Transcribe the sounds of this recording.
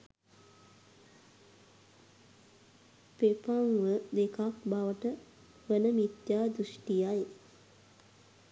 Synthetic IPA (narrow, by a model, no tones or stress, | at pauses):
pepaŋʋəd̪ekakbaʋəʈə | ʋənəmit̪jaːd̪ɾusʈijaj